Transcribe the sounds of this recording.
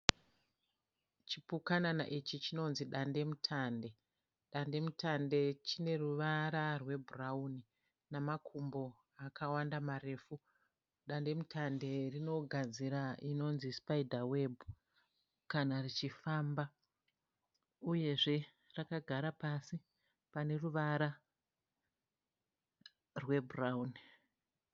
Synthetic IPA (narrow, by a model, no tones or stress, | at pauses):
t͡ʃipukanana̰ʔit͡ʃit͡ʃino̞nziɗande̞mutʰande̞ | ɗande̞mutʰande̞t͡ʃine̞ruʋaɾarwe̞bʱurauni | namakʰumbo̞ | akawandamare̞fu | ɗande̞mutʰande̞rino̞ɡʱad͡ziɾaino̞nzispaidʱawe̞bu | kanarit͡ʃifaːmba | uje̞ʐe̞ | rakaɡʱaɾapasi | pane̞ruʋaɾa | rwe̞burauni